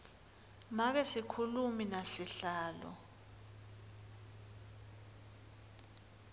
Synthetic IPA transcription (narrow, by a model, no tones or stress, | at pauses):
mak̬ɛsikʰuluminasiɬaːlɔ̰